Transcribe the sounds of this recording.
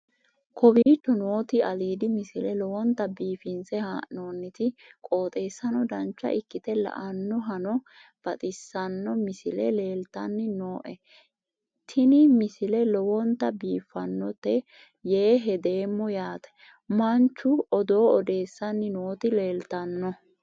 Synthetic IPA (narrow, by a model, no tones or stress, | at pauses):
kʰɔbiːt̪ːɔnoːt̪ɪɐliːd̪ɪmɪsɪlɛlɔwɔnt̪ːɐbiːfɪnsɛhanoːnːɪt̪ɪkʼo̞ːt̪ʼe̞ːsːɐnɔd̪ɐnt͡ʃːɐ̰ʔɪkːɪt̪ɛlɐ̰ʔɐnːɔɦɐnɔb̥ɐt̪ʼɪsːɐnːɔmɪsɪlɛle̞ːlt̪ɐnːɪno̞ːʔɛ | t̪ʰɪnɪmɪsɪlɛlɔwɔnt̪ːɐbiːfːɐnːɔt̪ːɛ | jeːɦɛd̪e̞ːmːɔjaːt̪ɛ̥ | mɐnt͡ʃːʊɔd̪o̞ːɔd̪e̞ːsːɐnːɪnoːt̪ɪle̞ːlt̪ɐnːɔ